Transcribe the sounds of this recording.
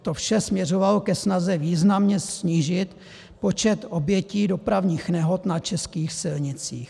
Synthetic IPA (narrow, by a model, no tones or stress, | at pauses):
t̪ofʃɛsmɲɛro̞valokɛsnazɛviːznamɲɛsɲiːʒɪt̪ | po̞t͡ʃɛt̪ʔo̞bjɛciːdo̞pɾavɲiːxnɛɦo̞t̪nat͡ʃɛskiːxsɪlɲɪt͡siːx